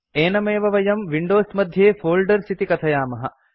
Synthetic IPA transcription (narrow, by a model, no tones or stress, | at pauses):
eːnɐmeːʋɐʋɐjɐmʋiɳɖoːsmɐd̪ʱjeːfoːlɖɐɾsit̪ikɐt̪ʰɐjaːmɐɦɐ̰̆